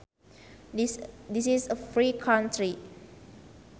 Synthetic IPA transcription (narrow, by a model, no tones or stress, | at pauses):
disisəfɹikʰãntʰɹi